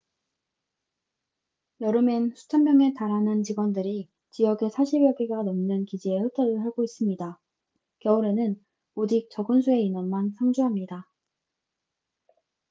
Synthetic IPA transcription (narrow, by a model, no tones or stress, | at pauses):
jʌɾɯmensʰu̥tʰanmjʌŋe̞taɾɦanɯnt͡ɕiɡwʌndɯɾi | t͡ɕijʌɡe̞sʰaɕʰibjʌɡiɡanʌmnɯnkid͡ʑiehɯtʰʌɾɯɭhaɡois͈ɯmɲida | kjʌuɾe̞nɯn | od͡ʑik̚t͡ɕ͈ʌɡɯnsʰue̞inʌnmansʰaŋd͡ʑuɦamɲida